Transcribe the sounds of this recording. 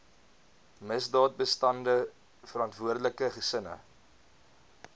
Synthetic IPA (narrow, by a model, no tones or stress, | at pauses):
məsdɑːt̚bəstɐndə | fəɾɐntvuərdələkəχəsənə̰